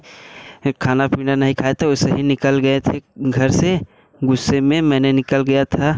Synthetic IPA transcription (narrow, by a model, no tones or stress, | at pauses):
kʰaːnapiːnanɐɦĩkʰaːet̪ʰeoseɦinɪkəlɡɐet̪ʰeɡʱəɾse | ɡʊsːemẽmɛːnenɪkəlɡɐjat̪ʰa